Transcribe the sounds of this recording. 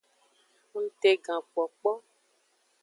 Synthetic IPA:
ŋ̩˦t̪e˨ɡã˨k͡pɔ˨k͡pɔ˦

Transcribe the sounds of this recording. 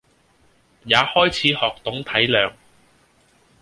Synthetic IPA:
jaː˨˧hɔː˥jt͡sʰiː˨˥hɔː˨k̚t̪ʊ˨˥ŋt̪ʰɐ˨˥jlœː˨˧ŋ

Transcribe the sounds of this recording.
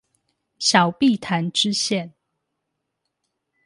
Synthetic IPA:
ɕjɑ˨˩ʊpi˥˨t̪ʰa˧˦nʈ͡ʂɻ̩˦ɕjɛ˥˨n

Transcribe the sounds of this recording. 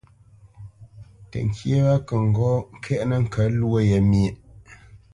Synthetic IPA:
tə̰˨ŋ̩˨kʰje˦wa˦kə˨ŋ̩˨ɡɔ˦ŋ̩˦kʰɛ˦ʔnə˦˨ŋ̩˦˨kʰə˨˦lwə˦˨je˨mje˨ʔ

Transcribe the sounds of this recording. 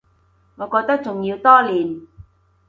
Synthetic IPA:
ŋɔː˨˧kɔː˧k̚t̪ɐ˥k̚t͡sʊ˨ŋjiː˧wt̪ɔː˥liː˨˩n

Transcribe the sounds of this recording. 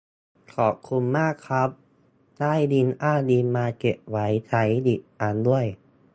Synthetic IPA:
kʰɔː˨˩p̚kʰu˧nmaː˥˩kʰːɾa˦˥p̚ | daː˥˩jdi˧nʔaː˥˩diː˧maː˧ke˨˩p̚wa˩˦jt̪ʰa˩˦jdi˨˩p̚ʔaː˧ndu˥˩əj

